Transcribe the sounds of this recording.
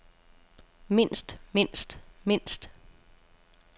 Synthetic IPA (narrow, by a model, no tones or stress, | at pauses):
me̝n̰sd̥me̝n̰sd̥me̝n̰sd̥